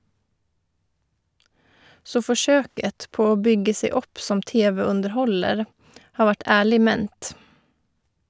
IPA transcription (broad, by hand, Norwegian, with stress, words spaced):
ˈsoː fɔˈʃøːkət ˈpoː ˈoː ˈbʏɡə ˈseɪ ˈɔp ˈsɔm ˈteːʋəʉndəɾˌhɔləɾ ˈhɑː ˈʋæʈ ˈæːɭɪ ˈmɛnt